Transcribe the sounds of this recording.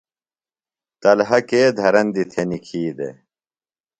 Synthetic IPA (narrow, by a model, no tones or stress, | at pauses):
t̪ɐlɦɐkeːd̪ʱɐɾɐnd̪it̪ʰenikʰiːd̪ḛ